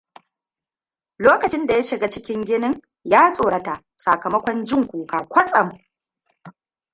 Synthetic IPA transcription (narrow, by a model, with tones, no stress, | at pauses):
loː˦kɐ˨t͡ʃɪ˦nda˨ja˦ʃɪ˨ɡa˦t͡ʃɪ˦kʲɪ˦ŋɡʲɪ˦nɪ˦ŋ | jaː˦sʼoː˨ɽɐ˦ta˨ʔ | sa˨kɐ˨mɐ˦kʷɔ˦nd͡ʒɪ˦˨ŋkʷuː˨kaː˨kʷɐ˦sʼɐ˨m˨